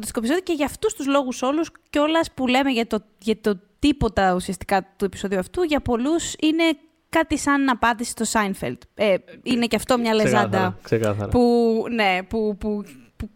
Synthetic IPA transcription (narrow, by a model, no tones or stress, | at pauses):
t̪st̪ikopiso̞ðioceʝɐːft̪ust̪uzlo̞ɣuso̞lusceo̞lɐspule̞meʝɐt̪o | ʝɐt̪ot̪ipo̞t̪ɐusiɐst̪i̥kɐt̪uepiso̞ðiuɐft̪uʝɐpo̞lusine̞ | kɐt̪isɐnɐpɐnd̪isi̥st̪osɐjnfḛlt̪eineceɐft̪omɲɐlezɐd̪ɐksekɐθɐɾɐpune̞pupupu